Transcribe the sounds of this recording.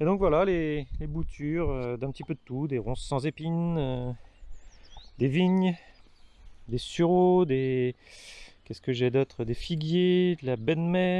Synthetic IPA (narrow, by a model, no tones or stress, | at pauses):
ed̪ɔ̃kvwalalelebut̪ʰyʁød̪ɛ̃pət̪ipød̪ət̪ud̪eʁɔ̃sːɑ̃zepinø | d̪eviɲ | d̪esyʁod̪e | kʲɛskəʒɛd̪ɔt̪χəd̪efiɡjed̪əlabɛnmɛ